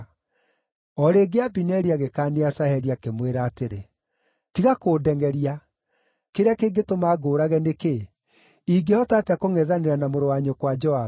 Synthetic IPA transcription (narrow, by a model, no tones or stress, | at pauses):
ɔɾeɡeabinɛɾiaɣekaːneasahɛɾiakemweɾaːteɾe | tiɣakoːdɛŋɡɛɾia | keɾeakeːɡetomaːɡoːɾaɣɛneke | iɡehɔtateakoŋɛðaneɾanamoɾowaɲokwad͡ʒɔha